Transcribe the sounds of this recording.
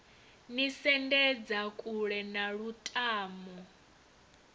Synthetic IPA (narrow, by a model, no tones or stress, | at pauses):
nisɛndɛd͡zakʼuɺɛnaɺutʼaːmɔ